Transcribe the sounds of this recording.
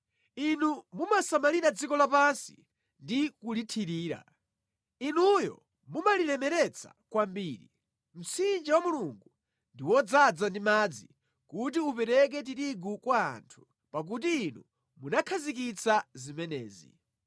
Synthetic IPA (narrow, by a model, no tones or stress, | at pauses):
inumumasamaliɾad͡zikɔlapansi̥ | ndikulitʰiɾiːɾa̰ | inujɔ̰ | mumalilɛmɛɾɛt͡sʰḁ̰ | kwambiːɾḭ | m̩sind͡ʒawamuluŋɡu | ndiwɔd͡zad͡zandimad͡zi | kut̬iupɛɾɛk̬ɛt̬iɾiɡukwa̰ːntʰu̥ | pak̬ut̬iːnu | munakʰazik̬it͡sʰazimɛnɛ̰ːzḭ